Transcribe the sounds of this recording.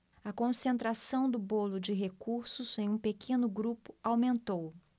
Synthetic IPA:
ɐkõsẽnt̪ɾasɐ̃w̃d̪ʊbolʊd͡ʒɪɦekuɾsʊzẽj̃ũpekʰẽnʊɡɾupʊ̥awmẽnt̪ow

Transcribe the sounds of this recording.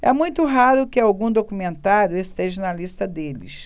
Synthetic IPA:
ɛmũj̃t̪ʊɦaɾʊkɪawɡũd̪okumẽnt̪aɾjʊest̪eʒɐnɐlist̪ɐd̪elɪ̰s

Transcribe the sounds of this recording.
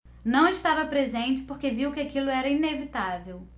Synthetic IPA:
nɐ̃w̃ɪʃt̪avɐpɾezẽnt͡ʃɪ̥poɾkeviwkɪakilʊɛɾɐinevit̪avew

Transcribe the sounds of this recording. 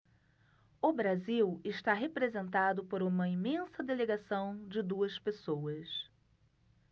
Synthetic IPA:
ʊbɾaziwɪʃt̪aɦepɾezẽnt̪ad̪ʊpoɾũmɐimẽsɐd̪eleɡasɐ̃w̃d͡ʒɪd̪uɐspesowɐs

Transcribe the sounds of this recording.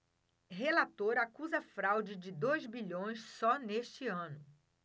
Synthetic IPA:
ɦelat̪oɾɐakuzɐfɾawd͡ʒɪd͡ʒɪd̪ojzbiʎõj̃ssɔneʃt͡ʃɪɐ̃nʊ

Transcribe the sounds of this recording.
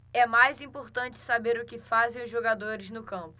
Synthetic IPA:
ɛmajzĩpoɾt̪ɐ̃nt͡ʃɪ̥sabeɾʊkɪfazẽj̃ʊzʒoɡad̪oɾɪznʊkɐ̃mpʊ̥

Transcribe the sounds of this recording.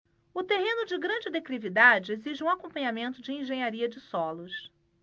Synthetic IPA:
ʊt̪eɦẽnʊd͡ʒɪɡɾɐ̃d͡ʒɪd̪ekɾivid̪ad͡ʒɪeziʒɪũakõmpɐ̃ɲamẽnt̪ʊd͡ʒɪĩʒẽɲaɾiɐd͡ʒɪsɔlʊs

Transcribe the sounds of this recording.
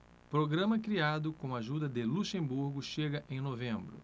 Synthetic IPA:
pɾoɡɾɐ̃mɐkɾiad̪ʊkõw̃aʒud̪ɐd̪ɪluʃẽmbuɾɡʊʃeɡɐʔẽj̃novẽmbɾʊ̰

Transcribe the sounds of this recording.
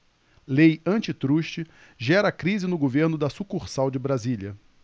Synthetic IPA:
lejɐ̃t͡ʃɪt̪ɾuʃt͡ʃɪ | ʒɛɾɐakɾizɪnʊɡoveɾnʊd̪ɐsukuɾsawd͡ʒɪbɾaziljɐ

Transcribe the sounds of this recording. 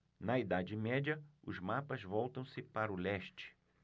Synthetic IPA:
nɐid̪ad͡ʒɪmɛd͡ʒɐʊzmapɐzvɔwt̪ɐ̃w̃sɪpaɾʊlɛʃt͡ʃɪ̥

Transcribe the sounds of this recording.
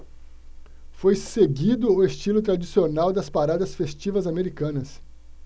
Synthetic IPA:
fojseɡid̪ʊʊest͡ʃilʊt̪ɾad͡ʒisionawd̪ɐspaɾad̪ɐsfest͡ʃivɐzameɾikɐ̃nɐs

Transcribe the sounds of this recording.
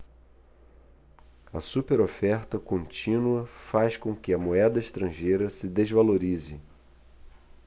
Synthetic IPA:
ɐ̰supeɾofɛɾt̪ɐkõnt͡ʃĩnuɐfaskõkɪɐmoɛd̪ɐiʃt̪ɾɐ̃ʒejɾɐsɪd̪ezvaloɾizɪ

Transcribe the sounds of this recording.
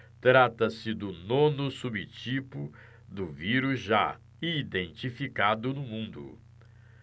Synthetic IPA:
t̪ɾat̪ɐsɪd̪ʊnõnʊsubɪt͡ʃipʊ | d̪ʊviɾuzʒa | id̪ẽnt͡ʃifikad̪ʊnʊmũnd̪ʊ̰

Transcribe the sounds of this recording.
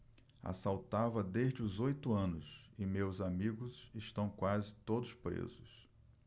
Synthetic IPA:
a̰sawt̪avɐd̪eʒd͡ʒɪʊzojt̪ʊɐ̃nʊs | ɪmewzamiɡʊsɪʃt̪ɐ̃w̃kwazɪt̪od̪ʊspɾḛzʊs

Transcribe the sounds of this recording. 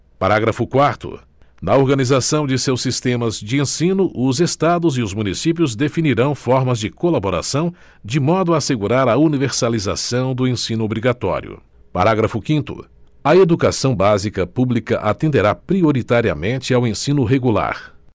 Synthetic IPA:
paɾaɡɾɐfʊkwaɾt̪ʊ̰ | nɐoɾɡɐnizasɐ̃w̃d͡ʒɪsewsist̪ẽmɐzd͡ʒɪẽsĩnʊʔʊzest̪ad̪ʊzɪʊzmunisip̬jʊzd̪efiniɾɐ̃w̃fɔɾmɐzd͡ʒɪkolaboɾa̰sɐ̃w̃ | d͡ʒɪmɔd̪ʊaːseɡuɾaɾɐuniveɾsaliza̰sɐ̃w̃d̪ʊẽsĩnʊobɾiɡat̪ɔ̰ɾḭʊ̰ | pa̰ɾaɡɾɐfʊkĩnt̪ʊ̰ | ɐed̪ukasɐ̃w̃bazikɐpublikɐ̰ʔat̪ẽnd̪eɾapɾioɾit̪aɾiɐ̰mẽt͡ʃɪawẽsĩnʊɦeɡula̰ɾ

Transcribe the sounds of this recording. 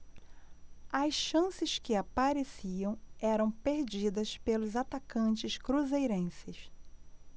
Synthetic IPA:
ɐsʃɐ̃sɪskɪapaɾesiɐ̃w̃ɛɾɐ̃w̃peɾd͡ʒid̪ɐspelʊzat̪akɐ̃nt͡ʃɪʃkɾuzejɾẽsɪs

